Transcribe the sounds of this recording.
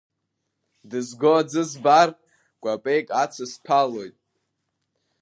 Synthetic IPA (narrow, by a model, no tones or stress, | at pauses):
dɨzɡoad͡zɨzbar | ɡʷʼapʼe̞jkʼat͡sʰaspʰalo̞jtʼ